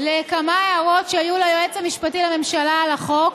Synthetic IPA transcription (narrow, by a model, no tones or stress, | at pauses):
lekamaeaʁo̞tʃeajulajoet͡samiʃpatilame̞mʃalaːlaχok